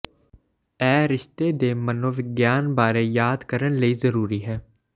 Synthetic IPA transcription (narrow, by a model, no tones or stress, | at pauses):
ɛːɾɪʃt̪eːd̪eːmənoːʋɪɡjaːnbaːɾeːjaːd̪kəɾənləiːzəɾuːɾiːɦɛː